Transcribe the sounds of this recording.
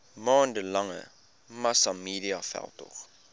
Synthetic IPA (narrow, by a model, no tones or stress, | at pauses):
mɑːndəlɐŋə̰ | mɐsɑmiːɾiɑfɛ̰lˠtɔ̰χ